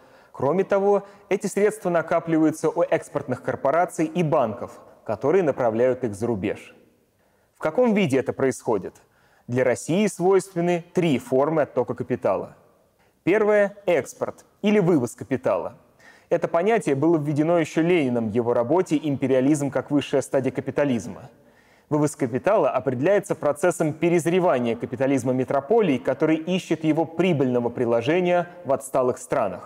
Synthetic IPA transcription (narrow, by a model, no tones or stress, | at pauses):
kɾo̞mʲɪt̪ɐvo̞ɛtʲɪsɾʲe̞t̪st̪vənɐkaplʲɪvəjʊt̪səʔuʔɛkspərt̪nɨxkərpɐɾat̪sɨjibankəfkɐt̪o̞ɾɨjənəpɾɐvlʲæjʊt̪ɨɣzəɾʊbʲe̞̰ʂ | fkɐko̞mvʲidʲɪɛt̪əpɾəɪsxo̞dʲɪt̪ | d̪lʲɐɾɐsʲijɪsvo̞jst̪vʲɪnːɨt̪ɾʲifo̞rmɨɐt̪ːo̞kəkəpʲɪt̪a̰lˠə̰ | pʲe̞rvəjəɛkspərt̪ | ilʲɪvɨvəskəpʲɪt̪a̰lˠə̰ | ɛt̪əpɐnʲætʲɪjəbɨlˠəvʲːɪdʲɪno̞jɪɕːolʲenʲɪnəmjɪvo̞ɾɐbo̞tʲɪʔɪmʲpʲɪɾʲɪɐlʲizmkakvɨʂːɨjəst̪adʲɪjəkəpʲɪt̪ɐlʲizmə̰ | vɨvəskəpʲɪt̪alˠəʔɐpɾʲɪdʲɪlʲæjɪt̪səpɾɐt̪sɛsːəmpʲɪɾʲɪzɾʲɪvanʲɪjəkəpʲɪt̪ɐlʲizməmʲɪt̪ɾɐpo̞lʲɪːkɐt̪o̞ɾɨjʔiɕːɪt̪jɪvo̞pɾʲibɨlʲnəvəpɾʲɪlˠɐʐɛnʲɪjə | vɐt̪st̪alˠɨxst̪ɾanə̰x